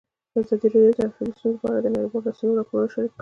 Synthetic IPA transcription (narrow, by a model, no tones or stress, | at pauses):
d̪əazɑd̪iɾeɽjod̪əafɾɑnisunlapɑɾad̪ənaɾibɑlasunoɾɑpoɾunoʃaɾikː